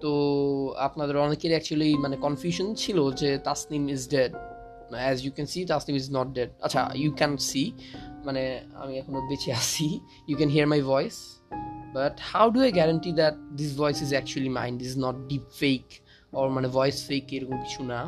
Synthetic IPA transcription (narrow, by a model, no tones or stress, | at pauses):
t̪oa̰pnad̪eɾɔnekːeɾɛk̚t͡ɕuəlimanekɔnfjuʃont͡ɕʰilod͡ʑet̪asnimizɖeɖ | ɛzjukɛnsit̪asnimiznɔʈ̚ɖeɖ̚a̰tːʃʰa̰jukɛnsimanea̰miɛkʰonobet͡ɕʰeaʃʰi | jukɛ̃nɦiəɾmajvɔjs | baʈhawɖuajɡɛɾanʈid̪ɛʈ̚d̪is̬vɔjsizɛk̚t͡ɕuəlimã̰ɪ̃nɖisiznɔʈ̚ɖipfejk | ɔɾmanevɔjsfejkejɾokomki̥t͡ɕʰuna